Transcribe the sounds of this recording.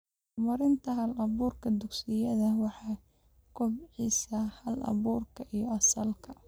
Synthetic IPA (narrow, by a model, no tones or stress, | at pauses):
mɐɾɪnt̪ʰɐɦɐlɐβuːrkʰɐd̪ʊksɪjɐðɐwɑħɑː | kʰɔbʕiːsɐhɐlɐ̰βuːrkʰɐʔijɞɐsɐlkʰɐ